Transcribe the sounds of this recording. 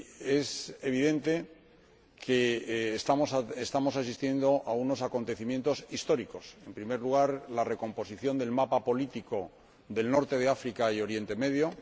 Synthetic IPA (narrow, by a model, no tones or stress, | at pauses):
e̞se̞β̞iðẽ̞nt̪e̞ | kʰe̞ːst̪amosaest̪amo̞sas̬ist̪je̞nd̪o̞ʔauno̞sako̞nt̪e̞θimje̞nt̪o̞sist̪o̞ɾiko̞se̞mpɾime̞ɾluɣaɾlare̞ko̞mpo̞siθjo̞nd̪e̞lmapapo̞lit̪iko̞ | ðe̞lno̞ɾt̪e̞ð̞eafɾikaio̞ɾje̞nt̪e̞me̞ðjo̞